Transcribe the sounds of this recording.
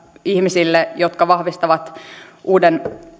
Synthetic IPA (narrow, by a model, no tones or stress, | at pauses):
ihmisilːejot̪kɑʋɑhʋist̪ɑʋɑt̪ʔuːden